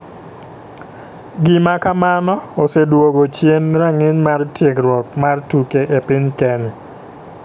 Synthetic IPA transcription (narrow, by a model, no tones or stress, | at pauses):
ɡɪmakamanɔosedwoɡot͡ʃjenɾaŋɪɲmartjekrwɔkmartukeʔepɪɲkɛnɪ